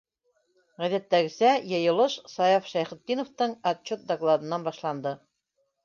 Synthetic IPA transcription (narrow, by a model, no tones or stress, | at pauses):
ʁæðæt̪ːæɡɘ̆sæjɤ̆jɤ̆lˠɤʃsɑjɑfʃæjχɘ̆t̪ːinŏft̪ɤɴɐtt͡ɕot̪̚d̪ɐklˠad̪ɤ̆nːɑnbɑʃlˠɑnd̪ɤ